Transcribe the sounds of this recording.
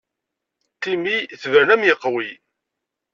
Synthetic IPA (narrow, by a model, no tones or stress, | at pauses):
t̪imiθvəɾnæmjəqːwi